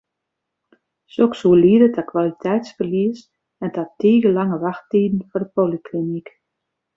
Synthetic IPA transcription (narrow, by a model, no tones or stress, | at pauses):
soksuəliədətʰakwalitʰɛjtsfərliəs | ɛntatiːɡəlaŋəʋaxtiːdn̩fɔrdəpolikʰlinik